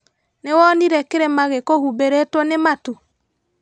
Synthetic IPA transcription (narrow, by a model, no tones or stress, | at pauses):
newɔniɾɛkeɾɛmaɣekohubeɾetwɔnematu